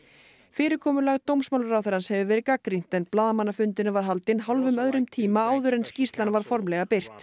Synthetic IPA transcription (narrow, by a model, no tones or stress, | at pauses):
fɪːɾɪɾkʰɔːmʏlaɣt̪owmsmawlɾawθɛɾanshɛvʏvɛːɾɪkakɾin̥t̪ɛnplaːðamanːafʏnt̪ɪnʏvaɾ̥ɦalt̪ɪnɦalvʏmœðɾʏmt̪ʰiːmaaːwðʏɾɛnscist̪lanvaɾ̥fɔɾmlɛɣapɪr̥t̪